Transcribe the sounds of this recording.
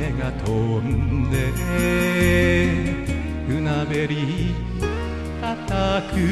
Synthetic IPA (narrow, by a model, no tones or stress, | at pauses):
eŋat̪ʰond̪ee | kɯnabeɾi | kat̪akʰɯ